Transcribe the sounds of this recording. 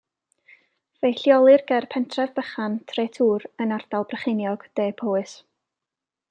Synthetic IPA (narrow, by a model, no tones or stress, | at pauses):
vejɬjɔlˠɨrɡɛrpʰɛntʰrɛvb̥əχantʰreːtʰuːrənardalˠbrəχenjɔɡ̥d̥eːpʰoːɨs